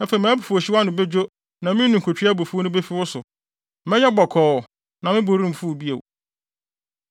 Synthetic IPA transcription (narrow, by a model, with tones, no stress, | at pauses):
ã˦fe˨mãː˨˦bu˨fu˨o˨ɕɪ˦wa˦nʊ̃˨be˦d͡ʑᶣo˦ | nã˨mɪ̃˦nũ˨ŋ̩˨kʰo˨t͡ɕʰᶣi˦a˦bo˨fu˦o˦nʊ̃˦be˦fi˦wʊ˦sʊ˨ | mɛ̃˦ɲɛ˦bɔ˨kʰɔː˨ | nã˨mɪ̃˦bo˨ɾĩ˦m̩˨fu˦˨bi˦ḛ˨w